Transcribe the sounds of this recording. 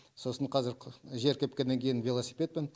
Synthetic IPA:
so̞səɴqʰɑzɪɾʒe̞ɾkʲʰep̚kʲenːeŋkʲʰe̞jɪnvʲelˠosipʲe̞t̪̚pen

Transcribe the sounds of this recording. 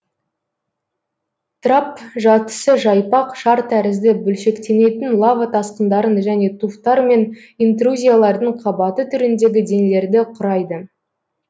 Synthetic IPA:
t̪ʰrapʒɑt̪ə̥səʒɑjpɑqʃɑɾt̪ʰæɾɪzd̪ɪbɵlʃe̞kt̪e̞ne̞t̪ɪnlˠavat̪ʰɑsqənd̪ɑɾənʒæne̞t̪ʰuft̪ɑɾme̞n | int̪̬ruzʲijalˠɑɾd̪əɴqʰɑbɑt̪ət̪ʰʏɾɪnd̪e̞ɡʲɪd̪e̞ŋle̞ɾd̪ɪqʰʊɾɑjd̪ə

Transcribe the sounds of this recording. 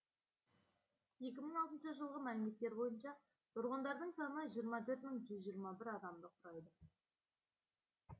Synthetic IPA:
je̞kʲɪməɴɑlˠt̪ənʃəʒəlˠʁəmælɪme̞t̪ːe̞ɾbo̞jənʃɑ | t̪ʊɾʁənd̪ɑɾd̪əɴsɑnnəʒijəɾmɑt̪ʰɵɾt̪məŋʒʏzʒijəɾmɑbɪɾɑd̪ɑmd̪əqʰʊɾɑjd̪ə

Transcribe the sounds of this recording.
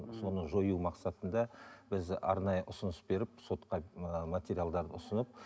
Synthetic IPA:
so̞nəʒojumɑqsɑt̪ənd̪ɑbɪzɑ̰ɾnɑjəʔʊsənəsbe̞ɾɪp̚so̞t̪qɑmat̪ʲe̞ɾijald̪ɑɾd̪əʊsənəp̚

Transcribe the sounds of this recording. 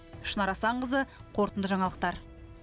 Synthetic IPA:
ʃənɑɾɑsɑɴqəzəqʰo̞ɾt̪ənd̪əʒɑɴɑlˠəq̚t̪ɑɾ

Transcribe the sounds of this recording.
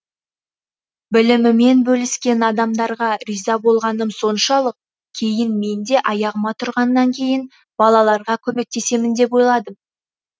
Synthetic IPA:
bɪlɪmɪme̞nbɵlɪskʲe̞nɑd̪ɑmd̪ɑɾʁɑɾijzɑbo̞lˠʁɑnəmso̞nʃɑlˠəq̚ | kʲʰe̞jɪnme̞nd̪e̞ʔɑjɑʁəmɑt̪ʰʊɾʁɑnːɑŋkʲʰe̞jɪn | b̥ɑlˠɑlˠɑɾʁɑkʲʰɵme̞k̚t̪e̞se̞mɪnd̪e̞po̞jlˠɑd̪əm

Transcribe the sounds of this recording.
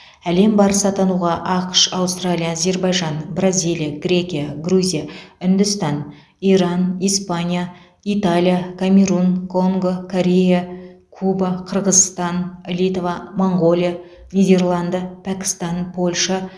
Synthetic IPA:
æle̞mbɑɾəsɑt̪ɑnuʁɑʔɑqʃɑwst̪ralʲijazʲe̞rbɑjʒɑnbrazʲijlˠijaɡɾʲe̞kʲijaɡruzʲijaʏnd̪ʏst̪ɑn | ijɾɑnijspanʲija | it̪alʲijakʰamʲe̞ɾunkʰo̞ŋɡo̞kʰoɾʲe̞ja | kʰubaqʰəɾʁəzst̪ɑnlʲit̪vamoɴɡo̞lʲˠija | nʲijd̪ʲe̞rlˠɑnd̪əpʰækʲɪ̥st̪ɑnpʰo̞lʲʃa

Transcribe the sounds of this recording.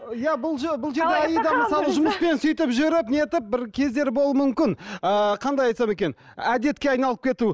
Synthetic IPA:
jæbʊlˠʒebʊlˠʒe̞ɾeæjəjd̪ɑməsɑlˠəʒʊməspe̞nsʏjt̪ɪpʒʏɾɪp̚neet̪ɪp̚bɪɾkʲʰe̞zd̪e̞ɾbo̞lˠmʏmkʲɪnəqʰɑnd̪ɑjɑjt̪sɑme̞kʲe̞n | æd̪e̞t̪kʲe̞ɑjnɑlˠəp̚kʰʲe̞t̪u

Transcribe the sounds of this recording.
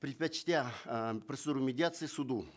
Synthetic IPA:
pɾʲɪt̪̚pɐt͡ɕt̪ʲapɾosɨd̪uɾʊmʲɪdʲɪat̪sɨsud̪u

